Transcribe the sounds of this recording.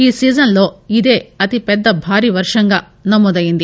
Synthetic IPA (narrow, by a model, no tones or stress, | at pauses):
iːsiːd͡ʒɐnloːid̪e̞ːɐt̪ipɛd̪ːɐbʱaːɾiʋɐɾʂɐŋɡɐ | nɐmːud̪ɐjind̪i